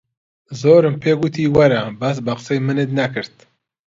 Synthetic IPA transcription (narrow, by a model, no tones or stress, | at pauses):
zoːɾɨmpʰeːɡut̪ʰiːwɐɾabas̬baqsɛjmɨnet̪nakɨɾt̪